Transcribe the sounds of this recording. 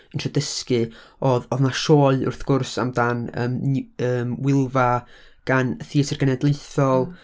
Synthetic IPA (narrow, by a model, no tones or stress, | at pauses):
əntrədəskɨɔðɔðnaʃoːlʊ̰rθɡ̥ʊrsa̰mdanə̰ːməːmwɪlˠva | ɡ̥anəθiːsərɡənɛdlˠeɨθɔlˠ